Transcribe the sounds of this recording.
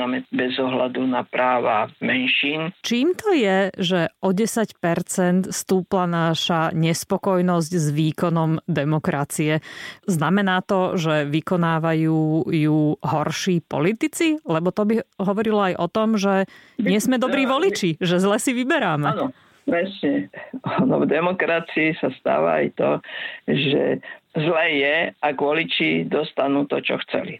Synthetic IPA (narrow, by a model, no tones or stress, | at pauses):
amɛbɛzɔɦlad̪unapɾaːʋamɛnʃiːnt͡ʃiːmt̪ɔjɛʒɛʔɔɟɛsacpɛɾt͡sɛnt̪st̪uːplanaʃaɲɛspɔkɔjnɔzɟzʋiːkɔnɔmd̪ɛmɔkɾat͡siɛznamɛnaːt̪ɔʒɛʋikɔnaːʋajuːjuɦɔɾʃiːpɔ̰lit̪it͡silɛbɔt̪ɔbiɦɔʋɔɾilɔajʔɔt̪ɔmʒɛɲɪɛzmɛd̪ɔbɾiːʋɔlit͡ʃiʒɛzlɛsiʋibɛɾaːmɛ | pɾɛsɲɛanɔ̰vd̪ɛmɔkɾat͡siːsast̪a̰ːʋa̰a̰jt̪ɔʒɛ̰zlɛːjɛaɡʋɔlit͡ʃid̪ɔst̪anuːt̪ɔt͡ʃɔ̰xt͡sɛ̰li